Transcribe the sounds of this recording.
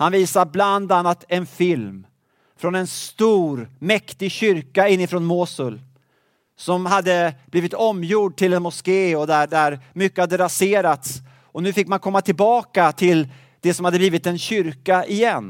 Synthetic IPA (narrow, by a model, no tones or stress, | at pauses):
hanviːsabland̪anːat̪ʰɛnfɪlm | fɾɔnɛnst̪uːɾmɛkt̪ɪɡɕʏɾkaɪnːɪfɾɔːnmoːsɵl | sɔmhad̪ːəb̥liːvɪt̪ɔmːjuːɖ̚ʈʰɪlɛnmʊskeːɔd̪æɖæɾmʏkːəhad̪ːəɾaseːɾat̪s | ɔnʉ̟ːfɪkːmankʰɔmːat̪ʰɪlbɑːkat̪ʰɪl | d̪̥ɛsɔmhad̪ːəbliːvɪt̪ɛnɕʏɾkaʔɪjɛnː